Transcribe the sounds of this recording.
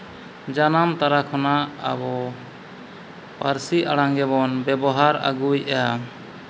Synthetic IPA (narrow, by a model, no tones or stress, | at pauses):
d͡ʒanamt̪aɾakʰɔnaa̰bɔ | paɾsiʔaɽaŋɡɛβɔnbɛbɔɦaɾa̰ɡujɛja